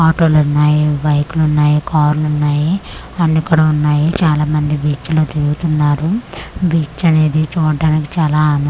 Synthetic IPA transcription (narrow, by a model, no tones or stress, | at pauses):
aːʈoːlunːaːjibɐjkulunːaːjikaːɾlunːaːji | ɐnːikːuɽɐunːaːjit͡ʃaːlaːmɐnd̪ibiːt͡ʃloːt̪iɾuɡut̪unːaːɾubiːt͡ʃɐne̞ːd̪it͡ʃuːɖːaːniki̥t͡ʃaːlaːan